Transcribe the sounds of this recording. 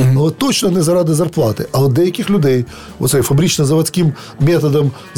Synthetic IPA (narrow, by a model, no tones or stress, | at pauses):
t̪ːɔt͡ʃnɔnɛzɐɾɑd̪ɪzɐrplˠɑt̪ɪ̰ʔɐɔd̪ɛjɐkʲɪxlʲʊd̪ɛj | ɔ̰t̪sɛjfɐbɾʲit͡ʃnɐzɐʋɐsʲkʲɪm | mʲɛt̪ɐd̪ɐm